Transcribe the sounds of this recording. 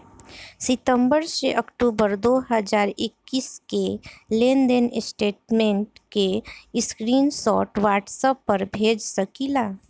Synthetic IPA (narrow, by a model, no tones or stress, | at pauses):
sɪt̪ə̃mbəɾseʔəkʈuːbəɾd̪oːɦəd͡ʒaːɾɪkːiːskelẽnɖ̪enɪsʈeːʈmẽɳʈkeskɾiːnsɔːʈwaːʈsəpːəɾbʱeːd͡ʒsəkilaː